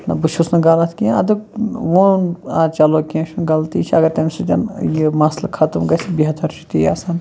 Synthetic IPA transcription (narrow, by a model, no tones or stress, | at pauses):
nɐbuʃʰusnɐɡɐlɐt̪ʰkʲĩɐd̪ɨkʋonaːt͡ʃɐloːkʲiẽʃʰunɡɐlt̪ḭːt͡ʃʰiɐɡɐɾt̪ɐmʲsut̪ʲɐnjimɐslɐkʰɐt̪umɡɐsʲibiɦɐt̪ʰɐɾt͡ʃʰi̥t̪ijɐ̰sɐn